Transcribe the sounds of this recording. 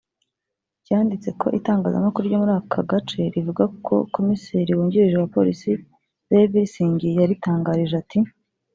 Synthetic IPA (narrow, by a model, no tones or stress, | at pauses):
ɟaːndit͡se̞kʰo̞̰ʔitaːŋɡaːza̰makuɾuɾɟo̞muɾaːkʰaɡat͡ʃe̞ɾivuɡakʰo̞̰ko̞miseɾiwuːɲɟiɾiʒewapo̞̰ɾisi | zeviɾisiːɲɡijaɾitaːŋɡaːɾiʒati